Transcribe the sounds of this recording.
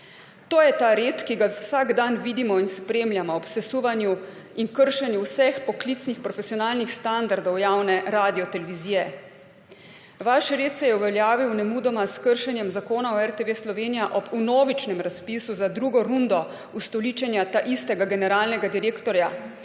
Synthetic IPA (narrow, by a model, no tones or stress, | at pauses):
t̪oːjɛt̪aɾet̪kiɡawsaɡd̪anʋid̪imɔinspɾeːmljamɔːpsɛsuːʋanju | inkəɾʃɛnjuwsɛxpɔklit̪snixpɾɔfɛsijɔnaːlnixst̪and̪aɾd̪ɔwjaːwnɛɾaːd̪ijɔt̪ɛlɛʋiziːjɛ | ʋaʃɾeːt̪sɛjɛuʋɛljaːʋiwnɛmud̪ɔmaskəɾʃɛnjɛmzakoːnaɔɛɾt̪eʋeːslɔʋeːnijaʔɔbunoːʋit͡ʃnɛmɾaspisuzad̪ɾuːɡɔɾund̪ɔ | ust̪ɔliːt͡ʃɛnjat̪aʔist̪ɛɡaɡɛnɛɾaːlnɛɡad̪iɾeːkt̪ɔɾja